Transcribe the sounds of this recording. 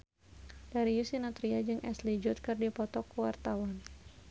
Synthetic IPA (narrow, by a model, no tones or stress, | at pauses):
d̥aɾijusinɔt̪ɾiad͡ʒɨŋʔɛslid͡ʒʊt̪̚kɨrdipɔt̪ɔkuwart̪awan